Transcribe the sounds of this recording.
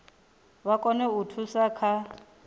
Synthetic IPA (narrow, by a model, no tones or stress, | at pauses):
βakʼɔnɛutʰusakʰa